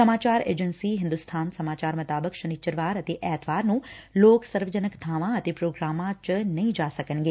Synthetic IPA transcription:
səmaːt͡ʃaːɾḛːd͡ʒənsiɦɪ̃nd̪ust̪ʰaːnsɐmaːt͡ʃaːɾmɐt̪aːbəkʃənit͡ʃəɾʋaːɾət̪eʔɛːt̪ʰʋaːɾnũloːksəɾʋəd͡ʒənəkt̪ʰaːʋãət̪epɾoːɡɾaːmãt͡ʃənɐɦĩd͡ʒaːsəkənɡeː

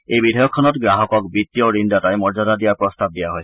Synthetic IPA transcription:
ebid̪ʱɔjɔkʰːɔnɔt̪ɡɾaɦɔkɔkbit̪jɔɾinɖat̪ajmɔɾd͡ʒad̪ad̪iapɾɔst̪ab̚d̪iaɦɔj

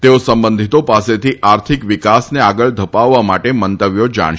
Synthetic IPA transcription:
t̪eosəmbənd̪ʱit̪opaset̪ʰiʔaɾt̪ʰikʋikasneaɡəɭd̪ʱəpaʋːamaʈemənt̪əʋjod͡ʒa̰ɳ̃

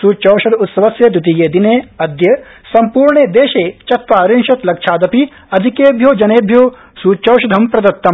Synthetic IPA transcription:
suːt͡ʃɐwʃɐd̪ut̪sɐʋɐsjɐd̪ut̪ijeːd̪ineːɐd̪jɐ | sɐmpuːɾɳed̪eːʃeːt͡ʃɐt̪ʋaːɾinʃɐt̪lɐkʃʰaːd̪ɐpi | ɐd̪ʱikeːbʱjoːd͡ʒɐneːbʱjoː | suːt͡ʃɐwʃɐd̪ʱɐmpɾɐd̪ɐt̪ːɐm

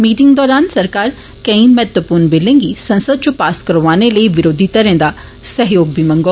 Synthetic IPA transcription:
miːʈɪ̃ŋɡd̪ɔːɾaːnsɐɾkaːɾ | kɐ̃ĩmɛːt̪ʋəpuːɾnbɪlẽːŋɡisɐ̃nsəd̪̚t͡ʃopaːskəɾʋaːneləiʋɪɾoːd̪ʱit̪ɐɾẽːd̪a | sɐɦjoːɡ̚bimɐ̃ŋɡoː

